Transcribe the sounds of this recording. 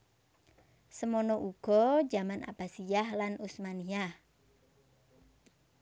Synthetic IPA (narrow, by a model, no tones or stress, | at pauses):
səmɔnɔʔuɡ̥ɔ̥d͡ʒa̤mana̰b̥a̤sijahlanusmaniah